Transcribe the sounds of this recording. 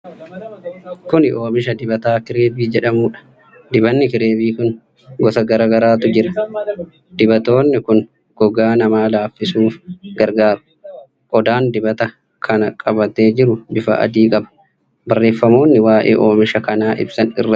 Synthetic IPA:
kʊnɪoːmɪʃɐd̪ɪbɐt̪aːkɪɾe̞ːbiːd͡ʒɛᶑɐmuːᶑɐ̥ | d̪ɪbɐnːɪkɪɾe̞ːbiːkʊn | ɡɔt̪ɐɡɐɾaːɡɐɾaːt̪ʊd͡ʒɪɾɐ | d̪̥ɪbɐt̪o̞ːnːɪkʊn | ɡ̥ɔɡaːnɐmaːlaːfːɪsuːfɡɐɾɡaːɾʊ̥ | ʔɔd̪aːnd̪ɪbɐt̪ɐ | kʰɐnɐkʼɐbɐt̪e̞ːd͡ʒɪɾʊbɪfɐ̰ʔɐ̰d̪iːkʼɐbɐ̥ | bɐrːe̞ːfːɐmo̞ːnːɪwaːʔḛːʔo̞ːmɪʃɐkɐnaːʔɪ̰bsɐnɪ̰rːɐ

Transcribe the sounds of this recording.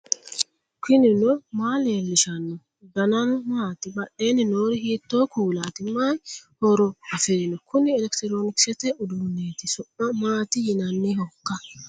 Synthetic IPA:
kʰɪnɪnɔmaːleːlːɪʃɐnːɔ | d̪ɐnɐnɔmaːt̪ɪbɐʔeːnːɪnoːɾɪhiːt̪ːoːkuːlaːt̪ɪmːaːjhɔɾɔɐfɛnɔkʊnɪɛlɛkt̪ɪɾo̞ːnɪksɛt̪ɛʔʊd̪uːnːeːt̪ɪsɔʔːɐmaːt̪ɪjɪnɐnːɛhɔkːɐ

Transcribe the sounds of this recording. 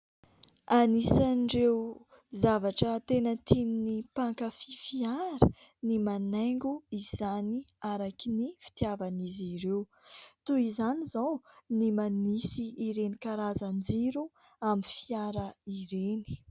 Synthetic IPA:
anisanɳɖ͡ʐew | zavaʈ͡ʂət̪enət̪ʰininipaŋkəfifiaɾə | nimanaŋɡuiz̥aniaɾakinifi̥t̪iavaniziɾew | t̪uizanizawnimanisiːɾenikaɾazand͡ziɾu | amifiaɾəiɾeni̥

